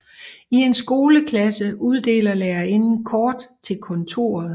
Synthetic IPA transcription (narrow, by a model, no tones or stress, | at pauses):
ie̝nsɡ̥o̝ːləkʰlæsəuð̞ˠd̥e̝̰ːlɐlɛɐe̝nn̩kʰɒːd̥t͡sʰe̝lkʰɔ̽nt͡sʰo̝̰ːɐðˠ